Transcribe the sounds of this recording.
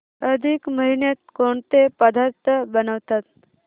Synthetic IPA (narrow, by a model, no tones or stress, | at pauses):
əd̪ʱikməɦinjet̪̚koɳt̪epəd̪ʱaɾt̪ʰːəbənəʋt̪at̪̚